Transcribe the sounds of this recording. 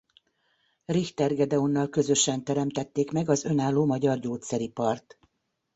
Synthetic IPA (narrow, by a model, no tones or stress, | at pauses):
rixt̪ɛrɡɛd̪ɛonːɒlkø̞zø̞ʃɛnt̪ɛɾɛmt̪ɛt̪ːeːkmɛɡɒzø̞naːlːoːmɒɟɒrɟoːt̪sɛɾipɒrt̪